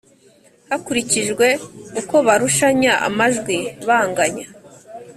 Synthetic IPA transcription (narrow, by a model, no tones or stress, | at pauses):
hakuɾiciʒɡwe̞uko̞βaɾuʃaɲaʔa̰maʒɡwiβaːŋɡaɲa